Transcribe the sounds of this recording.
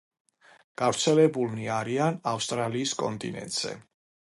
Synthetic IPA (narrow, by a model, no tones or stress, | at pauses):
ɡ̥avɾt̪sʰɛlɛbulmiaɾianafst̪ʼɾaliːskʼɔnt̪ʼḭnɛ̰nt̪ʼz̥ɛ̰